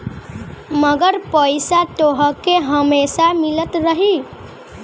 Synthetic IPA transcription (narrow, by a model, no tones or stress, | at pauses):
mʌɡəɾpəjsat̪oɦʌkeɦəmesamilət̪ɾəɦi